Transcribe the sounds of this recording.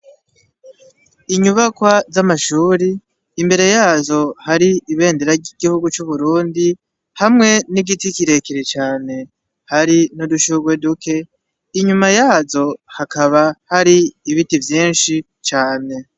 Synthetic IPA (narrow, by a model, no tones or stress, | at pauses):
iɲuβakwazamaʃuːɾiː | mbe̞ɾe̞jaːzo̞haɾiiβe̞ːndeɾaɟiɡihuɡut͡ʃuβuɾuːndi | hamŋe̞niɡitikiɾe̞kiɾet͡ʃaːne̞ | haɾinuduʃuɡwe̞duke̞ | iɲumajaːzo̞hakaβahaɾiiβitivjiːnʃi | t͡ʃaːne̞